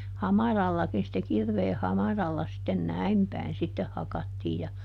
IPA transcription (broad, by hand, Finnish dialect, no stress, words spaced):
hɑmɑrɑlːɑkin sĭtːe kirʋeːh hɑmɑrɑlːɑ sitːen næim pæin sitːeh hɑkɑtːiːj jɑ